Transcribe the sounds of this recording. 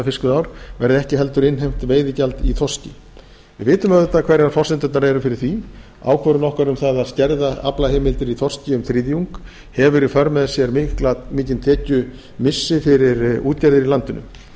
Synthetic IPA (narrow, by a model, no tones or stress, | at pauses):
afɪskʏðaːwɾ̥vɛɾðɪɛhcɪɦɛl̪t̪ʏɾɪnɦejm̥t̪veːjðɪcalt̪iθʰɔrscɪ | vɪðvɪːt̪ʏmɛɪt̪akʰv̥ɛjɾaɾfɔr̥sɪnt̪ʏt̪naɾɛɾʏfɪɾɪɾ̥θi | a̰ːwkʰvɔɾʏnɔhkaɾʏmθaðaðscɛɾðaa̰plaheːmɪlt̪ɪɾiθʰɔr̥scɪʏmθɾɪːðjuŋk | hɛvʏɾifœɾmɛðɪ̥sjɛɾmɪklamɪːcɪnt̪ʰɛːcʏ | mɪsːɪfɪɾɪɾuːt̪̚caɾðɪɾilant̪ʏnʏ̰